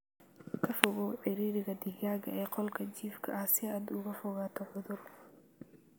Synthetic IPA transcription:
kʰɐfʊɣɔwʕɪɾiːɾɪɣɐd̪ɪɣaːɣɐɛːqɔlkʰɐt͡ʃiːfkʰɐɐhsɪaːd̪ʊɣɐfʊɣaːt̪ʰɔʕʊðʊr

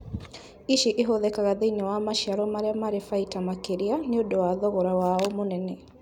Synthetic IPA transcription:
iʃiʔeɦoðɛkaɣaðeɲɔwamaʃiaɾɔmaɾeamaɾefaitamakeɾianeodowaðɔɣɔɾawaɔmonɛnɛ

